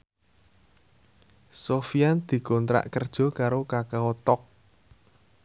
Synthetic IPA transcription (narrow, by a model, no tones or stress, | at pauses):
sofiand̪̥i̤kɔnt̪ɾa̰ʔkərd̥ʒ̥ɔ̤kaɾokakaɔt̪ɔk̚